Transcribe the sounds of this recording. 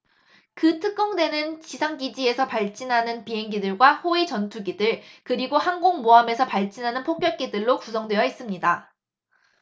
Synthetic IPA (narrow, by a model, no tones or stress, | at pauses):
kɯtʰɯk̚k͈ʌŋdwe̞nɯnt͡ɕisʰaŋɡid͡ʑie̞sʰʌpaɭt͡ɕ͈inɦanɯnpiɦe̞ŋɡidɯɭɡwahoit͡ɕʌntʰuɡidɯɭkɯɾiɡohaŋɡoŋmoame̞sʰʌpaɭt͡ɕ͈inɦanɯnpʰok̚k͈jʌɭ̚k͈edɯɭːokusʰʌŋdwe̞jʌis͈ɯmɲida